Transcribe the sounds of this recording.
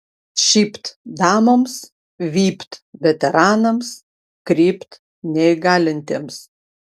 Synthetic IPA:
ʃʲiːpʲt̪d̪ɑːmoms | ʋʲiːpʲt̪ʋʲɛt̪ʲɛɾɑːnɐms | kɾʲiːpʲt̪ | nʲɛɪɡɑːlʲɪnʲt̪ʲeːms

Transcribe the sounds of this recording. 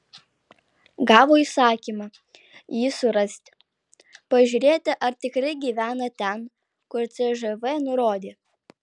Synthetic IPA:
ɡɑːʋoːisɑːkʲiːmɑ | jiːsʊɾɐsʲt̪ʲ | pɐʒʲʊːɾʲeːt̪ʲɪʔɐɾt̪ʲɪkɾɐɪɡʲiːʋʲæːnɐt̪ʲɛn | kʊɾt̪sʲɛʒɛʋɛnʊɾoːd̪ʲeː

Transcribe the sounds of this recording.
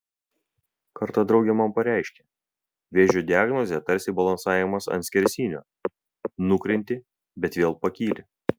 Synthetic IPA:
kɐɾt̪ɑd̪ɾɒʊɡʲɛmɐmpɐɾʲæˑɪʃʲkʲe | ʋʲeːʒʲod̪ʲɪaːɡnɔzʲɛt̪ɐɾʲsʲɪbɐlˠɐnsɑːjɛmɐsɐ̰nt̪sʲkʲɛɾʲsʲiːnʲo̰ː | nʊkɾʲɪnʲt̪ʲɪ | bʲɛt̪ʋʲeːlˠpɐkʲiːlʲɪ

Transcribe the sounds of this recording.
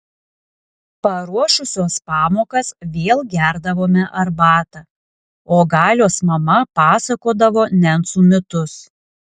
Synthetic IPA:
pɐɾuɔʃʊsʲoːspɑːmoːkɐsʋʲeːlˠɡʲæɾd̪ɐʋoːmʲɛʔɐɾbɑːt̪ɐ | oːɡɑːlʲoːsmɐmɐpɑːsɐkoːd̪ɐʋoːnʲɛnt̪suːmʲɪt̪ʊs

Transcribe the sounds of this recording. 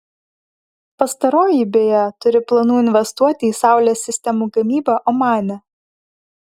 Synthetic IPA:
pɐst̪ɐɾoːjibʲeːjɛt̪ʊɾʲɪplˠɐnuːɪnʲʋʲɛst̪uɔt̪ʲɪiːsɑˑʊlʲoːsʲːɪsʲt̪ʲɛmuːɡɐmʲiːbɐʔɔmɑːnʲɛ

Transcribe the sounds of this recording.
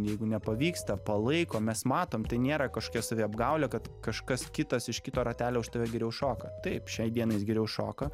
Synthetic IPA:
jɛɪɡʊnʲɛpɐʋʲiːkst̪ɐpɐlˠɐɪkoːmʲɛsmɑːt̪oːmt̪ɐɪnʲeːɾɐkɐʃko̥kʲɛsɐʋʲiːɐbɡɐʊlʲɛkɐt̪kɐʃkɐskʲɪt̪ɐsɪʃkʲɪt̪oːɾɐt̪ʲæːlʲoːʊʃt̪ɐʋʲɛɡʲɛɾʲɛʊʃoːkɐt̪ɐɪpʃʲɛɪd̪iɛnɐɪsɡʲɛɾʲɛʊʃoːkɐ

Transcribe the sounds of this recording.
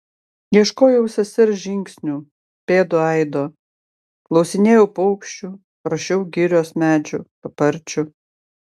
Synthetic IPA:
jiɛʃkoːjɛʊsʲɐsʲɪɾʒʲɪŋʲksʲnʲuː | pʲeːd̪oɐɪd̪oː | klˠɐʊsʲɪnʲeːjɛʊpɔʊkʲʃʲt͡ʃʲu | ɾɐʃʲɛʊɡʲɪɾʲoːsmʲæːd͡ʒʲʊpɐpɐɾʲt͡ʃʲʊ

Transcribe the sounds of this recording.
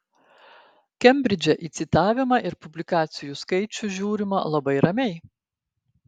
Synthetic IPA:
kʲɛmʲbʲɾʲɪd͡ʒʲɛʔiːˑt̪sʲɪt̪ɑːʋʲɪmɑʔɪɾpʊbʲlʲɪkɑːt̪sʲɪjuskɐɪt͡ʃʲʊʒʲuːɾʲɪmɑ̰lˠɐbɐɪɾɐmʲɛɪ

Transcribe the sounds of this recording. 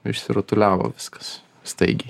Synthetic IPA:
ɪ̰ʃʲsʲɪɾɐt̪ʊlʲæːʋo̰ːʋʲɪskɐ̥s | st̪ɐɪɡʲɛɪ

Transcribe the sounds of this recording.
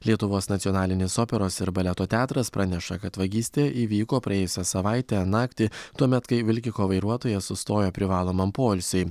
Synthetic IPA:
lʲiɛt̪ʊʋoːsnɐt̪ʲɔnɑːlʲɪnʲeːsoːpʲɛɾoːsɪɾbɐlʲɛt̪oːt̪ʲæːt̪ɾɐspɾʔɑnʲɛʃɐkɐt̪ʋɐɡʲiːsʲt̪ʲeːʔiːʋʲiːkoːpɾɐjeːjʊsʲɛsɐʋɑˑɪt̪ʲænɑːkt̪ʲit̪uɔmʲɛt̪kɐɪʋʲɪlʲkʲɪkoːʋɐɪɾuɔt̪oːjɛsʊst̪oːjopʲɾʲɪʋɑːlˠoːmɐmpoːlʲsʲʊɪ

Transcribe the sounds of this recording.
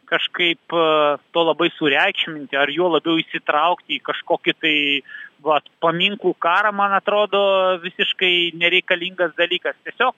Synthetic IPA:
kɐʃkɐɪpt̪oːlˠɐbɐɪsʊɾʲɛɪkʃʲmʲɪnʲt̪ʲɪɐrjuɔlˠɐbʲɛʊɪsʲɪt̪ɾɐʊkt̪ʲɪːkɐʃkoːkʲɪt̪ɐɪʋɐpɐmʲiŋklˠuːkɑːɾɐmɐnɐt̪ɾoːd̪oːʋʲɪsʲɪʃkɐɪnʲɛɾʲɛɪkɐlʲiŋɡɐsd̪ɐlʲiːkɐst̪ʲiɛsʲoːk̚

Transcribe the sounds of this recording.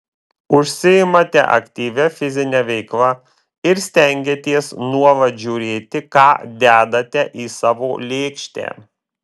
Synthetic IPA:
ʊʃʲsʲɪɪmɐt̪ʲɛ̰ʔɐ̰kʲt̪ʲiːʋʲɛfʲɪzʲɪnʲɛʋʲɛɪklˠɐ | ɪɾsʲt̪ʲɛŋʲɡʲet̪ʲiɛsnuɔʋɐʒʲuɾʲeːt̪ʲɪkɑːd̪ʲæːd̪ɐt̪ʲɛʔiːsɑːʋo̰ːlʲeːkʃʲt̪ʲæ̰ː

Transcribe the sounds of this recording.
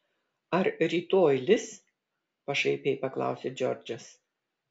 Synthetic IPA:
ɐɾɾʲiːt̪oːjlʲɪs | pɐʃɐɪpʲeːjpɐklˠɑ̰ˑʊsʲeːd͡ʒʲɔ̰ɾʲd͡ʒʲɐs

